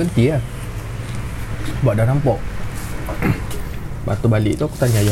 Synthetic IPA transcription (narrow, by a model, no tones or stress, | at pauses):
ənt̪ia | baʔdanampɔʔ | ba̰t̪ubalḭʔt̪ɔkut̪aɲaja